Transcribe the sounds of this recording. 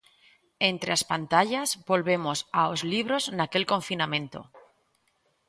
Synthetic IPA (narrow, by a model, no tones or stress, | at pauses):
ent̪ɾeaspant̪aʎazbo̞lβe̞mo̞saozliβ̞ɾo̞znake̞lko̞ɱfinamẽ̞nt̪o̞̰